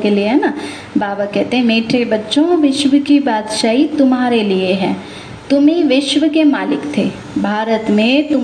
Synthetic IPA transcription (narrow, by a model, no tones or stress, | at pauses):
kelieɦɛːna | baːbakɛɦt̪eɦɛ̃meːʈʰebɐtːʃõʋɪʃʋəkibaːd̪ʃaːɦit̪ʊmɦaːɾelieɦɛ̃ː | t̪ʊmĩʋɪʃʋəkemaːlɪkt̪ʰeː | bʱaːɾət̪mẽt̪ʊ